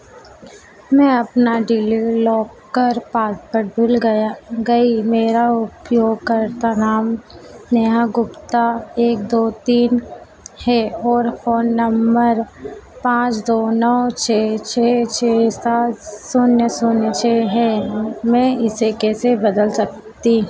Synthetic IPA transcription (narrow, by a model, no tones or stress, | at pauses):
mɛ̃ɐpnaɖɪlilɔːkːəɾpaːt̪pəɾɖʱʊlɡɐjaɡɐimeːɾaʊpjoːɡ̚kɐɾt̪anaːmneɦaɡʊpt̪aeːkd̪oːt̪iːn | hɛɔːɾfoːnːɐmbəɾpãːt͡ʃd̪oːnɔːt͡ʃʰeːt͡ʃʰɛːt͡ʃʰeːsaːt̪sʊnjəsʊnjət͡ʃʰeɦɛmɛ̃ɪsekɛːsebɐd̪əlsɐk̚ | t̪i